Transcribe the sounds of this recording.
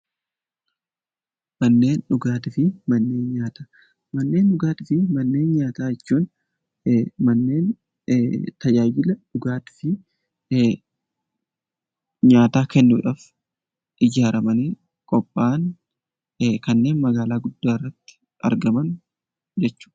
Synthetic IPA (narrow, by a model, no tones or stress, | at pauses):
mɐnːe̞ːnᶑʊɡaːt̪ɪfɪmɐnːe̞ːnɲaːt̪aː | mɐnːe̞ːnɗʊɡaːt̪ɪfɪmɐnːeːnɲaːt̪aːjɛt͡ʃːuːn | mɐnːe̞ːn | t̪ɐd͡ʒaːd͡ʒɪlɐᶑʊɡaːt̪ɪ̥fɪ | ɲaːt̪aːkɛnːʊᶑaf | ʔɪd͡ʒaːɾɐmɐneː | kʼɔpʼːaːn | kɐnːe̞ːnmɐɡaːlaːɡʊd̪ːaːɪrːɐt̪ːɪ̥ | ɐ̰ɾɡɐmɐn | d͡ʒɛt͡ʃːʊ̥ː